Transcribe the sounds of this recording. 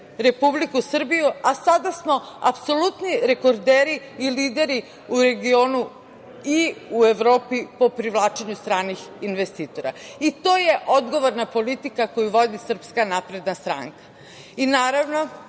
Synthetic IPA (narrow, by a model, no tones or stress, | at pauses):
ɾe̞publikusr̩bijuasad̪asmo̞ | a̰pso̞lut̪niɾe̞ko̞ɾd̪eːɾiː | liːd̪e̞ɾi | uɾe̞ɡio̞ːnu | iue̞ʋɾo̞ːpipo̞pɾiʋlˠaːt͡ʃeɲust̪ɾaːnixinʋest̪iːt̪o̞ɾa̰it̪o̞ːje̞ʔod̪ɡo̞ʋoɾnapo̞lit̪ikakojuʋo̞d̪isr̩pskanapɾe̞d̪nast̪ɾa̰ŋkḁ | inaːɾaʋno̞